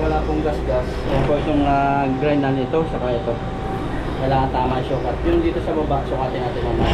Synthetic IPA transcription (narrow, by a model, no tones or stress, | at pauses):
wɐlaːpʊŋɡasɡas | ɛposʊŋaɡɾanːɐnɪt̪o̞sɐkajʔɐt̪o̞ | kɐjlaːŋɐnt̪aːmɐɐjsuːkɐt̪̚jʊŋd̪iːt̪o̞sɐbabaʔsʊkaːt̪ɪnːaːt̪ɪnɐma